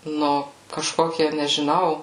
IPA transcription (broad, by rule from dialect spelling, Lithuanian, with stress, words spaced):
ˈnʊ kɐˈʃkoːkʲiɛ nʲɛʒʲɪˈnɐʊ